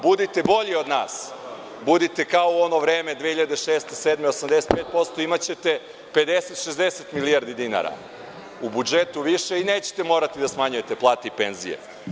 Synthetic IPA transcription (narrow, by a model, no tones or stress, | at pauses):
bud̪it̪e̞bo̞ʎio̞d̪naːs | bud̪it̪e̞kaouo̞no̞ʋɾeːme̞d̪ʋehiʎad̪eʃeːst̪eseːd̪meosamd̪eset̪peːt̪̚po̞t̪st̪o̞imat͡ɕe̞t̪e̞ | pe̞d̪eset̪ʃezd̪eset̪miliaɾd̪id̪ina̰ɾa̰ | ubud͡ʒe̞t̪uʋiʃe̞ineːt͡ɕe̥t̪e̞mo̞ːɾat̪id̪asmaɲujet̪eplˠaːt̪eipenzijḛ